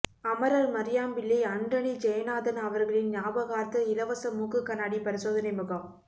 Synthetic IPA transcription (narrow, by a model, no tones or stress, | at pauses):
ɐmɐɾaːlmɐɾɪjaːmbɪlːiɐɳɖɐɳid͡ʒɛjɐnaːðɐnɐʋɐɾɣɐɭɪnɲaːbɐɣaːɾt̪ɐɪlɐʋɐsɐmuːkːɯkːɐnaːɽipɐɾɪsoːðɐnɐɪmɯɣɐm